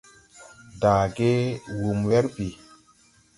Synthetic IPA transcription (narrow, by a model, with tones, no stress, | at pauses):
daː˨ɡe˦wu˨mwɛ˦ɾpi˨